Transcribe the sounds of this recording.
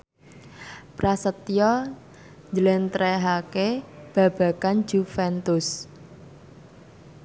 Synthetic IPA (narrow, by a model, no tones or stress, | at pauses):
pɾasət̪jɔ | ɲd͡ʒəlent̪ɾɛɦakeb̥ä̤b̥ä̤kan̥d͡ʒufɛnt̪ʊs